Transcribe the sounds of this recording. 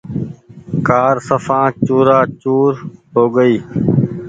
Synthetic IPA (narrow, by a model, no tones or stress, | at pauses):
kaːɾsəfãːt͡ʃuːɾaːt͡ʃuːɾɦoːɡəiː